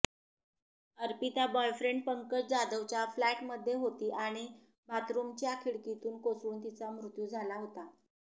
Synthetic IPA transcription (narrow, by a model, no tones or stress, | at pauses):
əɾpit̪abɔjfɾeɳɖpəŋkəɾd͡zad̪əʋt͡ɕjaflæʈməd̪ʱːjeɦot̪iːʔaɽ̃i | bat̪ɾumt͡ɕjakʰiɭkit̪uːnkosuːnt̪it͡samɾut̪juːd͡zʱalaɦot̪a